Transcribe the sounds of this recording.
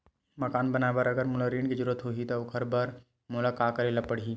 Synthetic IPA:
mɐkaːnbɐnaːebɐɾɐɡəɾmʊləɾiːɳkid͡ʒʊɾət̪ɦoːɦit̪oʊkʰəɾbɐɾ | mʊlakaːkəɾelɐpːəɽ̤ɦiː

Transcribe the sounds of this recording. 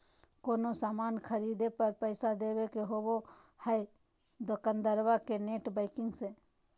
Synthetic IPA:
koːnosaːmaːnkʰəɾiːd̪epəɾpəɪsad̪eːʋekeɦoːʋo | həj | d̪okənd̪əɾʋakeneːʈbəɪkɪ̃ŋse

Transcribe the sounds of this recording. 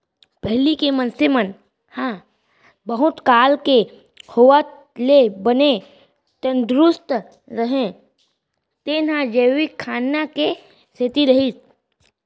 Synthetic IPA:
pɛɦlikemə̃nsɪmən | hã | bəɦʊt̪kaːlke | hoːʋat̪ | lebəne | t̪ə̃nd̪ɾʊst̪ | ɾəɦẽ | t̪eːnɦãd͡ʒeːʋɪkʰːaːnːake | set̪iɾɐɦit̪

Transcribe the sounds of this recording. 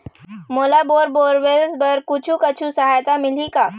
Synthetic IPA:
moːlaboːɾboːɾʋelzbɐɾkʊt͡ʃʰũkɐt͡ʃʰũsəɦaːjt̪amɪlikaː

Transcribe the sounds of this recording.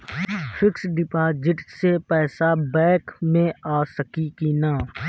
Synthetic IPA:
fʰɪksɖɪpaːd͡ʒɪʈsepɛːsabɛːkmẽaːsəkikinaː

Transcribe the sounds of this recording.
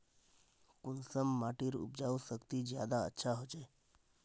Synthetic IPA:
kunsəmːaʈiɾṵp̚d͡ʒaʋusəkt̪id͡ʒjad̪aə̰tːʃʰaɦot͡ʃʰe

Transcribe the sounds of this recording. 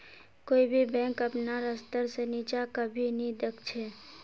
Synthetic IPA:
koːibʱibɛ̃ːŋkəpnaɾəst̪əɾsenit͡ʃakəbʱinɦĩd̪ekʰt͡ʃʰe

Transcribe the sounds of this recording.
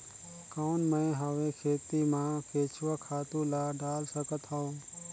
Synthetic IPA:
koːnmɛ̃ːɦəʋekʰeːt̪imãkʰeːt͡ʃʰʋakʰaːt̪ũlaɖaːlsəkət̪ɦaõː

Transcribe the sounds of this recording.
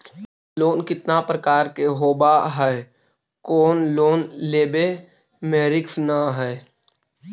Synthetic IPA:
loːnkɪt̪napɾəkaːɾkeɦoːbaɦɛe | koːnloːnleːbe | meːɾɪkfnaɦɛ

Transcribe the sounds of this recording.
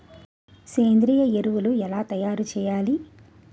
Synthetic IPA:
seːnd̪ɾiːjɐeɾuʋuluɛlaːt̪ɐjaːɾut͡ʃɛːjaːli

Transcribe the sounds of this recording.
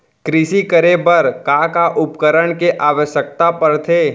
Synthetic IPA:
kɾɪʃikəɾebɐɾkakaʔʊpkəɾəɳkeʔaːʋəʃjək̚t̪apɐɾt̪ʰeː

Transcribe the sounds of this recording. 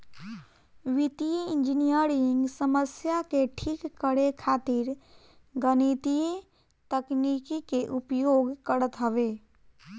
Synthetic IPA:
ʋɪt̪iiɪ̃nd͡ʒɪnijəɾɪ̃ŋɡsəməsjakeʈʰiːkːəɽekʰaːt̪ɪɾ | ɡənit̪ije | t̪əknikikeʔʊpjoːɡkəɾət̪ɦəʋeː

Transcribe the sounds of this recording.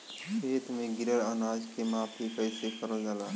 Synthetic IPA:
seːt̪ʰmẽɡɪɾəɽaːnaːd͡ʒkemãːpʰipəɪsekəɾəld͡ʒalaː

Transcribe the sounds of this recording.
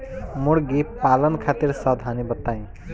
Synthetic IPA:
moɽɡipalʌnkʰat̪iɾsʌd̪ʱanibʌt̪aj̃

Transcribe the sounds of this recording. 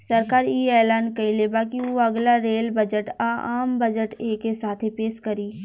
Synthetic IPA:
sɐɾkaːɾiɛːlaːnkɐilebaːkioɐɡlaɾeːlbɐd͡ʒəʈaːa̰ːmbɐd͡ʒəʈeːkesaːt̪ʰepeːʃkɐɾiː

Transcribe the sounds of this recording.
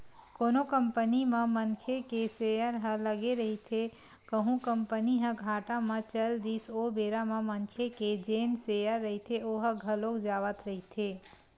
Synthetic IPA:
koːnokəmpənimə̃məŋkʰekesejəɾɦə̃ləɡeɾəɦit̪ʰe | kəɦũkəmpəniɦə̃ɡʱaːʈamə̃t͡ʃəld̪isobeɾaməməŋkʰeked͡ʒeːnsejəɾːəɦit̪ʰeoɦəɡʱəlokd͡ʒaːʋət̪ɾəɦit̪ʰeː

